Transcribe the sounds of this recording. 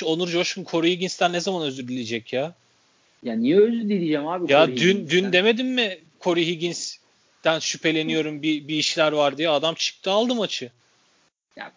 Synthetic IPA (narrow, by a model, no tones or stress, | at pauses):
o̞nuɾd͡ʒo̞ʃkʰunkʰo̞ɾuhiɡʲinst̪ʰænːezamanø̞zd̪yɾd̪ilʲed͡ʒɛcjaː | jaːnijɛøzyɾd̪ilʲid͡ʒæmhaːbijad̪ynd̪ynd̪e̞me̞d̪inːɪ | kʰo̞ɾuɦiɟʲins | d̪̥ænʃypʰe̞lʲe̞nijo̞ɾumbibiːʃlʲæɾvaɾd̪ijɛad̪amt͡ʃʰɯ̥k̚t̪ʰɯalˠd̪ɯmat͡ʃʰɯ | ja̰